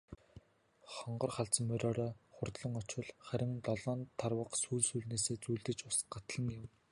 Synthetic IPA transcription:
χɔɴɢɞ̆rχaɬt͡smɵɾʲɔːɾɔːχʊrt̪ɮɞ̆ŋɔt͡ɕwə̆ɮχæɾʲɪ̆ŋt̪ɔɮɔːnt̪ʰːarwə̆qsuːɮsuːɮneːseːt͡sujɮt̪ɘ̆t͡ɕʊst̪ɢat̪ɮə̆ŋjɪm

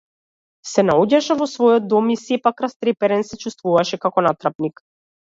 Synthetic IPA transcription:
sɛnaɔɟaʃɛvɔsvɔjɔd̪̚ːɔmisɛpakɾast̪ɾɛpɛɾɛnsɛt͡ʃust̪vuvaʃɛkakɔnat̪ɾapnik

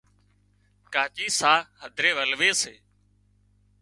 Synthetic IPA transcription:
kaːt͡ʃiːsaːhəd̪ʱɾeːʋəlʋeːseː

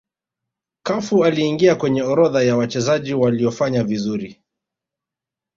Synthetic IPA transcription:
kafualiːŋɡiakwɛɲɛɔɾɔðajawat͡ʃɛzaʄiwaliɔfaɲavizuɾi

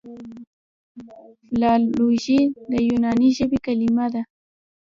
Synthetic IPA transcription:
flauʒid̪ajʊnanɪʒabɪkalɪmad̪a

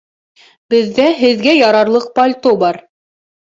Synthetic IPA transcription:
bɘ̆ðːæɦɘ̆ðɡæjɑɾɑɾlˠɤq̚pɐlʲt̪obɑɾ

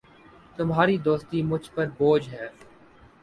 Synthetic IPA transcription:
t̪ʊmɦaːɾid̪oːst̪iːmʊd͡ʒʱpəɾboːd͡ʒɦɛː

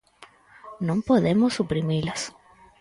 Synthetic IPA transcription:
nõŋpoðemosːupɾimilas

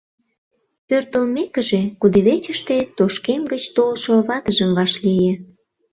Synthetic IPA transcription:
pørt̪əlmekəʒekud̪eβet͡ɕəʃt̪et̪oʃkemɡət͡ɕt̪olʃoβɑt̪əʒəmβɑʃlije

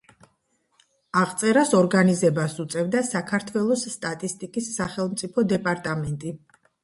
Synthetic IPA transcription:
aʁt̪sʼɛɾasɔɾɡanizɛbasut̪sʼɛvd̪asakʰaɾt̪ʰwɛlˠɔsːt̪ʼat̪ʼist̪ʼikʼisːaχɛlˠmt̪sʼipʰɔd̪ɛpʼaɾt̪ʼamɛnt̪ʼi

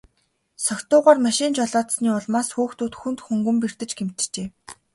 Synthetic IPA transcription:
sɔkʲt̪ʊːʁaːrmaʃɪnt͡ɕɔɮɔːt̪sniːɔɮmaːsxuːxt̪uːt̪xunt̪xɵŋɡɵ̆mper̥t̪ɘ̆t͡ɕɡem̥t̪̆t͡ɕeː

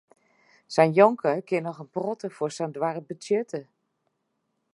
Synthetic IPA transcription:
sɛjnjɔŋkʰəkɪnɔxənprɔtəfʊrsɛndʋarəbət͡sjɛtʰə

